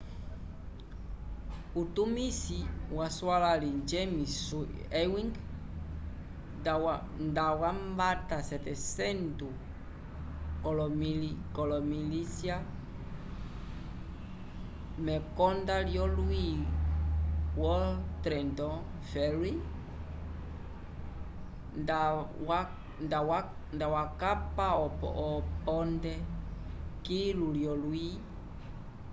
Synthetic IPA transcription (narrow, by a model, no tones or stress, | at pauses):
ut̪umisiwaswalalid͡ʒemisuɛwĩŋɡ | w | ndawambatasɛt̪ɛsɛnt̪u | kɔlɔmilikɔlɔmilisja | mɛkɔndaljɔlui | wɔltɾɛntɔ | fɛɾi | ndaw | ndawandawakapaɔpɔ̰ʔɔpɔndɛ | kiluliɔlui